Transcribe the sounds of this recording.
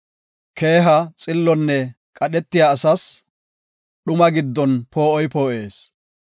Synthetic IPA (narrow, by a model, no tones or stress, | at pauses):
kʰe̞ːɦɐt͡sʼɪlːɔnːɛ | kʼɐɗɛt̪ːɪjaːsɐs | ɗʊmɐɡɪd̪ːɔnpo̞ːʔɔjpoːʔe̞ːs